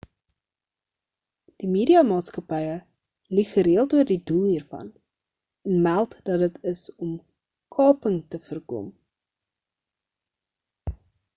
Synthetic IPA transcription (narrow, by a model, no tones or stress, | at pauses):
d̥imeːɾiɑmɑːtskɐpɛjə | liχəɾiəlˠtuərdidulˠɦiːrfɐ̰n | ənmælˠtd̥ɐt̚dətʰəsɔm | kʰɑːpəŋtəfərkɔ̰m